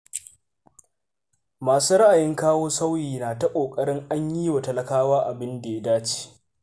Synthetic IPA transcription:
maː˨suː˦ɾa˦ʔa˨jɪ˦ŋkaː˦woː˦sa˦wjiː˨naː˨ta˦kʷʼoː˨kʼɐ˦ɽɪ˦ŋʔa˦ɲjiː˦wa˨tɐ˦˨lɐ˨kaː˦waː˦ʔa˨bɪ˦nda˨ja˦daː˦t͡ʃi̥ː˦

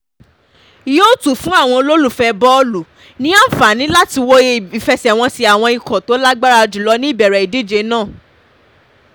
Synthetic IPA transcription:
i˨jo˦˨tu˦˨fũ˦a˦˨w̃ɔ̃˧o˧lo˦lu˦˨fɛ˧bɔ˦lu˨ | nĩ˦a˦˨fa˨nĩ˨˦la˦ti˧wo˧i˨fɛ˧sɛ˨w̃ɔ̃˧si˧a˨w̃ɔ̃˧i˧kɔ̃˨to˨˦la˦ɡ͡ba˦ɾa˧d͡ʒu˨lɔ˨˦nĩ˦i˦˨bɛ˨ɾɛ˨i˨di˦˨d͡ʒe˧˦nãː˦˨

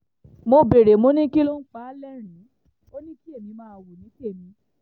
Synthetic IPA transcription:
mo˧be˨ɾe˨mo˨˦nĩ˦ki˦lo˦n̩˦k͡pa˨˦lɛ˦ɾ̃ĩ˨˦ | o˦nĩ˦ki˦e˦˨nĩ˨˧mãː˦˧wu˨nĩ˨˦ke˦˨nĩ˨˧˦

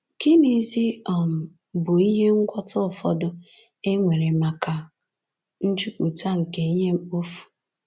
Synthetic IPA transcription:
ki˦ni˨zi˦ɔ˨m̩˨ | bʊ˨i˦ɦe˦ŋ̩˦kʷɔ˦tʊ˦ʊ˨fɔ̰˦dʊ˦ | e˦ŋʷe˨ɾe˨ma˨ka˨ | n̩˦t͡ʃu˦kʷu˨ta˦ŋ̩˨ke˨i˦ɦe˦o˦fu̥˨

